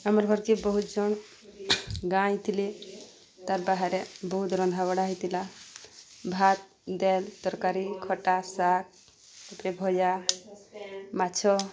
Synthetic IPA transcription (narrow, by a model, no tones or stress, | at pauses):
amɔɾɡʱɔɾkibɔɦut̪d͡ʒɔɳ | ɡãjt̪ʰili | t̪aɾbaɦaɾɛbɔɦut̪ɾɔnd̪ʱaβɔɽaɦijt̪ila | bʱat̪̚ | d̪ɛld̪̥ɔɾkaɾikʰɔʈasak̚ | upɾɛbʱɔja | mat͡ʃʰɔ